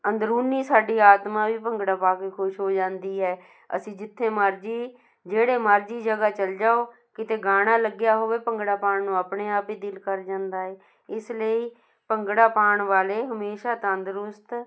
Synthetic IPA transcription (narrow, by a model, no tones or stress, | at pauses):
ənd̪ɾuːnːiːsaːɖiːaːt̪mãːʋiːpəŋɡɽaːpaːkeːkʰʊʃɦoːd͡ʒãːnd̪iːɦɛː | ə̰sĩːd͡ʒɪt̪ʰːeːmaːɾd͡ʒiː | d͡ʒeːɽeːmaːɾd͡ʒiːd͡ʒəɡaːt͡ʃəld͡ʒaːoː | kɪt̪eːɡaːɽ̃aːləɡjaːɦoːʋeːpəŋɡɽaːpaːɳnũːaːpɳeːaːpiːd̪ɪlkəɾd͡ʒãːnd̪aːɛː | ɪsləiː | pəŋɡɽaːpaːɳʋaːleːɦəmeːʃaːt̪ãənd̪əɾʊst̪